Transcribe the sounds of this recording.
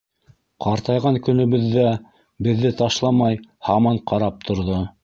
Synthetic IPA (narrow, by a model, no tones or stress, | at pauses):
qɑɾt̪ɑjʁɑŋkɵ̆nɵ̆βɵ̆ðːæ | bɘ̆ðːɘt̪ɑʃlˠɑmɑjhɑmɑɴqɑɾɑp̚t̪ʰŏɾðo